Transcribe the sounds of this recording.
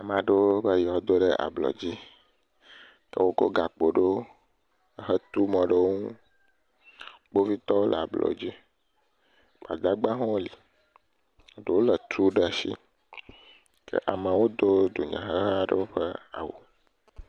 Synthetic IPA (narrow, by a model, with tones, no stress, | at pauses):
a˨mã˨ɖe˦wo˦bə˦jɔ˨d̪o˦ɖə˦ʔa̰˨blɔ̰˨d͡ʑi˦ | kə̰˦wo˦ko̰˦ɡa˨k͡po˨ɖo˦˨ | ɦə˦t̪u˦mɔ̃˨ɖə˦wo˦ŋũ˦ | k͡po˦vi˦t̪ɔ˦wo˦lə̰˨a˨blɔ̰˨˦d͡ʑi˦ | ba̰˨d̪a˦ɡ͡bã˦ɦɔ̃˦wo˦li˨ | ɖe˨wo˦lə˨t̪ʰu˦ɖə˦a˨ʃḭ˦ | kə̰˦ʔa˨mə̃˨wo˦d̪o˦d̪o˨ɲã̰˨ɦə˦ɦa˦ɖə˦wo˦ɸə˦a̰˨wo̰˨